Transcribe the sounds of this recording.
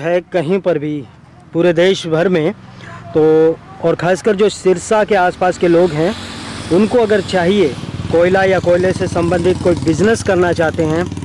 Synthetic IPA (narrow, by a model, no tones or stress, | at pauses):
ɦɛkɐɦĩpɐɾbʱi | puːɾed̪eːʃbʱɐɾmẽ | t̪oːɔːɾkʰaːskəɾd͡ʒoːsɪɾsakeaːspaːskeloːɡɦɛ̃ʊnkoɐɡəɾt͡ʃaːɦiekɔːɪlajakɔːɪlesesɐ̃mbə̃nd̪ʱɪt̪koːibɪznəskɐɾnat͡ʃaːɦt̪eɦɛ̃ː